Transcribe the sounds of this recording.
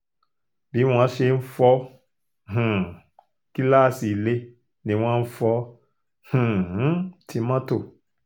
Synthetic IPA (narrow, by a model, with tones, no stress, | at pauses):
bi˨˦w̃ɔ̃˧˦ʃe˧˦n̩˦fɔ˧˦ | ɦ̩˨ | ki˦la˦˨si˨le˧˦ | nĩ˧˦w̃ɔ̃˦n̩˦fɔ˧˦ | hũ˨˦ | ti˧˦mã˦to˦˨